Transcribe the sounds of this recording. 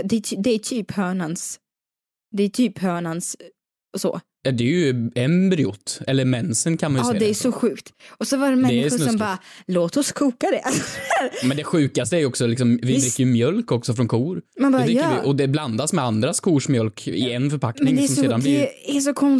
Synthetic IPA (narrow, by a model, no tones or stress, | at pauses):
d̪ɛd̪ɛæt̪ʰyːphœːɳans | d̪ɛːʈ̪ʰyːphœːɳans | so̰ː | jɑd̪ɛæɾjɵɛnbɾɪʊ̰t̪ːɛlːəɾmɛnsənkʰanmanjːd̪ɛæɾʂɔɧʉ̟ːkt̪ɔsɔvaɾɖɛmɛd̪ɛɪɧʊɾnɔmbɑːɾaloːt̪ɔskʰuːkad̪ɛʔaɾmɛnd̪ɛɧʉ̟ːkast̪əæɾjɔksɔlɪksɔmvɪb̪ɾɪkːəɾjɵmjœlkɔksɔfɾɔnkʰuːɾmanbɑɾːɪʔɔd̪ɛbland̪asmɛand̪ɾaskʰuːʂmjœlkɪ̰ɛnfœɾpʰaknmɛɪnŋŋd̪ɛsɔmseːd̪anb̪æʂ̬ɔkʰɔn